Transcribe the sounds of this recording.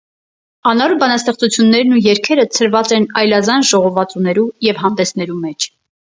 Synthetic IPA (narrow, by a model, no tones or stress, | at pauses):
ɑnɔɾubɑnɑst̪ɛχt͡sut͡sʰjunːɛɾnujɛɾkʰɛɾət͡sʰəɾvɑt͡sɛnɑjlɑzɑnʒɔʁɔvɑt͡sunɛɾujɛvɦɑnd̪ɛsʰnɛɾumɛt͡ʃʰ